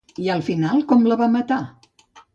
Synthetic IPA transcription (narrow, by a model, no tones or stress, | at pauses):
iəlˠfinalˠkɔmləβamət̪a